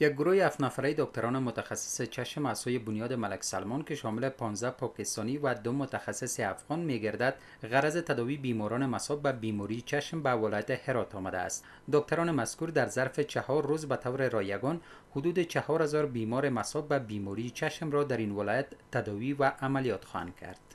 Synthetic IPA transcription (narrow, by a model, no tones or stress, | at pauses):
jaɡ̚ɡʊɾojehaft̪nafaɾajed̪ɔk̚t̪aɾɔnɪmʊt̪axasːɪ̥set͡ʃʰaʃmaz̥sojebʊnjɔd̪ɪmalaksalmɔnkeʃɔmɪlepɒnzd̪apɒkɪst̪ɔnivad̪ʊmʊt̪axasːɪseafɣɔnmeɡaɾd̪ad̪ | ɣaɾazɪt̪ad̪ɔvibimɔɾɔnɪmasɔb̚babimɔɾit͡ʃʰaʃmbavɪlɔjat̪ɪheɾɔt̪ɔmad̪a̰ːst̪ | d̪ɔk̚t̪aɾɔnɪmaskuɾd̪aɾzaɾfet͡ʃʰahɔɾːozbat̪ʰawɾeɾɔjaɡɔn | hʊd̪ud̪ɪt͡ʃahɔɾhazɔɾbimɔɾɪmasɔb̚babimɔɾit͡ʃʰaʃmɾɔd̪aɾinwɪlɔjat̪ːad̪ɔwivaʔamalijɒt̪xɔha̰nd̪̚kʰa̰ɾd̪̥